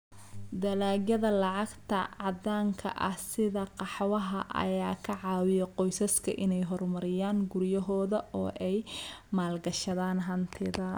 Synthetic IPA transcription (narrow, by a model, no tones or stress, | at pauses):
d̪ɐlaːɡjɐðɐlɑʕɑɡt̪ʰɐʕɑd̪aːŋkʰɐ̰ʔɐ̰hsɪðɐqɑħwɐɦɐʔɐ̰jaːkʰɐʕɑːwɪjɛqɔjsɐskʰɐ̰ʔɪnɛjɦɔrmɐɾɪjaːŋɡʊrjɐɦɔːðɐʔɔːʔɛjmaːlɡɐʃɐðaːnɦɐnt̪ʰɪðɐ